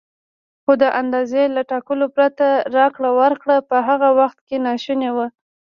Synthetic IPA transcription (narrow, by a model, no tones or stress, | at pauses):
xod̪əʔand̪ɑzelaʈɑkəlopɾat̪aɾɑkɽawəɾkɽapəɦaɣawaxt̪kenɑʃunewə